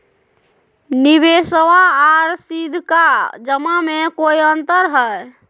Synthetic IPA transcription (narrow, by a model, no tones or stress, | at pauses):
nibesəwaːɾsid̪ʱkad͡ʒəmamekoiənt̪əɾɦəj